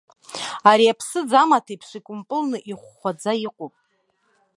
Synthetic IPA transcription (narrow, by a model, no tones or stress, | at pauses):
aɾiapʰsɨd͡zamatʰaipʰʂʷikʷʼʊmpʼɨlnɨʔiχʷːad͡zaiqʷʼupʼ